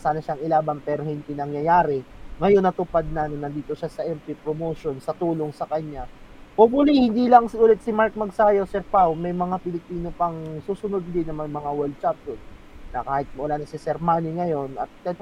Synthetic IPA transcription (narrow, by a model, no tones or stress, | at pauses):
saːnɐʃaŋɪlaːbɐnpɛːɾohɪnd̪inɐŋjɐjaːɾɛŋɐjo̞nːɐt̪ʊpad̪̚nanɐnːɐnd̪iːt̪o̞ʃasɐʔɛmp̪ipɾomoːʃonsɐt̪uːlo̞ŋsɐkɐɲːaʔobʊlihɪnd̪ilɐŋsʊlɛt̪̚sɪmaɹk̚mɐɡsaːjosɛɾpawmɐjmɐŋapɪlɪpiːno̞pɐŋsuːsʊnod̪̚d̪ɪnːɐŋmɐjmɐŋawɛld̪̚t͡ʃap̚d̪onː | ɐkaːhɪt̪̚mɐʔʊlaːnɐsɪsɛɾmaːnɪŋɐjo̞nʔɐt̪̚ːɐ